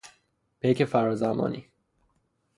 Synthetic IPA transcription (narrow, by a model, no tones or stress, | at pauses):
b̥ejcʰefæɾɒːzæmɒ̰ːnḭː